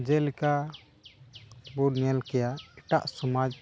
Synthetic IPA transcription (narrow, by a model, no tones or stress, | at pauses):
d͡ʒɛlika | buɾnɛlkɛjaɛʈaʔsɔmad͡ʒ